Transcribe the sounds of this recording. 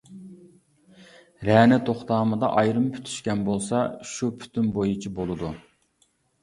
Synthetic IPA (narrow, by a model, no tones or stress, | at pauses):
ɾɛnɪt̪ʰoχt̪ɑːmɨd̪ɑ̰ʔɑjɾɨmpʰy̥t̪ʰy̥ʃkʲɛnbolˠsɑʃupʰy̥t̪ʰymbojut͡ʃʰibolˠɨd̪u